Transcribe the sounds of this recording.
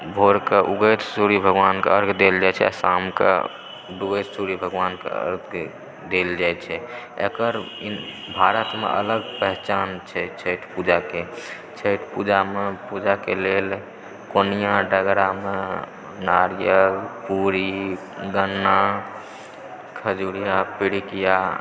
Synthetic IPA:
bʱoɾkeʔuɡət̪suɾibʱəɡʋankeəɾɡʰd̪eld͡ʒaɛt͡ʃʰɛa̰samkḛ | ɖ̪uɡəjt̪suɾibʱəɡʋankḛə̰ɾɡʰ | d̪eld͡ʒaɛt͡ʃʰɛḛkəɾ | bʱaɾət̪mḛʔə̰ləɡpəɦt͡ʃaːnt͡ʃʰɛt͡ʃʰəɪʈʰpud͡ʒake | t͡ʃʰəɪʈʰpud͡ʒamepud͡ʒakelel | konijãɖəɡɾame | naɾjəkpuɾi | ɡənːa | kʰəd͡ʒuɽijapiɽikija

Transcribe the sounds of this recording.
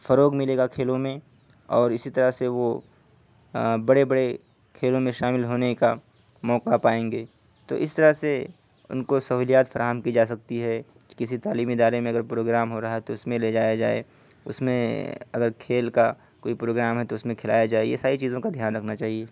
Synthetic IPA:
fɐɾoːɡmɪleːɡakʰeːlõmẽ | ɔːɾɪsit̪ɐɾəseʋo | bɐɽebɐɽe | kʰeːlõmẽʃaːmɪlɦoːneka | mɔːqapaːẽːŋɡeː | t̪o̰ːʔɪst̪ɐɾəse | ʊ̰nkosɐɦuːlijaːt̪fɐɾaːɦəmkid͡ʒaːs̬ɐk̚t̪iɦɛ | ki̥kɪsit̪aːliːmiɪd̪aːɾemẽɐɡəɾpɾoːɡɾaːmɦoɾaɦaɦɛt̪oʊsmẽled͡ʒaːjad͡ʒaːḛ | ʊ̰smḛ̃ɐɡəɾkʰeːlka | koːipɾoːɡɾaːmɦɛt̪oʊsmẽkʰɪlaːjad͡ʒaːejḛsaːɾit͡ʃiːzõkad̪ʱjaːnɾɐkʰnat͡ʃaːɦieː

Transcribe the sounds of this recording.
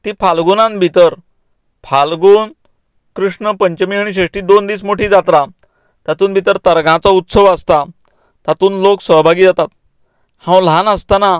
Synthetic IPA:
t̪ipʰalɡunãnbʱit̪əɾ | pʰalɡuːn | kɾuʂɳəpəɲt͡ɕəmiaɽ̃iɕeʂʈiːd̪ond̪iːsmoʈʰiːd͡zat̪ɾa | t̪jat̪uːnbʱit̪əɾt̪əɾɡʱãt͡saut̪səʋəst̪a | t̪at̪uːnloksəɦbʱaɡiːd͡zat̪at̪̚ | hãwl̤anəst̪ana

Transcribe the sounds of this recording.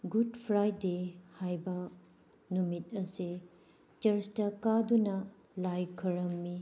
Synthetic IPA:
ɡudpʰɾajdehajbɐ | numit̚ɐsi | t͡ʃɐɾstɐkadunɐ | lajkʰɐɾɐmːi

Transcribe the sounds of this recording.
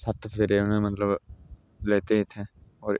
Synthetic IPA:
sɐt̪ːfʰt̪eɾenəmɐt̪ləb | leːt̪eɦit̪ʰeɔːɾ

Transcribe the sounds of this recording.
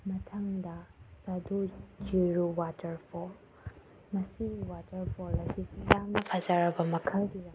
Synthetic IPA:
mɐtʰaŋdɐsɐdod͡ʒiɾowatɐɾpʰɔɾ | mɐsiwatɐɾpʰoɾɐsisujaŋnɐpʰɐzaɾɐbɐmɐkʰɐlɡiɾa

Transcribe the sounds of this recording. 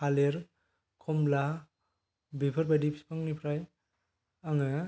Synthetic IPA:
kaleɾ | kʰɔmla | bipʰɯɾbadipspʰaŋnipʰɾaj | aŋɯ

